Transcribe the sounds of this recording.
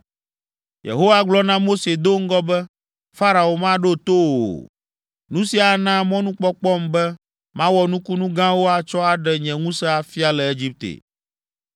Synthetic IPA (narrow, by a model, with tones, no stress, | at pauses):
jḛ˨ɦo˦wa˦ɡ͡blɔ˦nã˦mo˦se˨d̪o˦ŋ̩˦ɡɔ˦bɛ˦ | fa˦ɾa˨o˨mã˦ɖo˦t̪o˦o̰˨ | nũ˦si˦a˨nã˦mɔ̃˦nũ˦k͡pɔ˦k͡pɔ˦mbɛ˦ | mã˦wɔ˨nũ˦ku˦nũ˦ɡã˦wo˦a˨t͡ʃɔ˦a˨ɖɛ˨ɲɛ̃˨ŋũ˦sɛ˦a˨fi˦a˨lɛ˨e˦d͡ʑi˦p̚t̪ḛ˨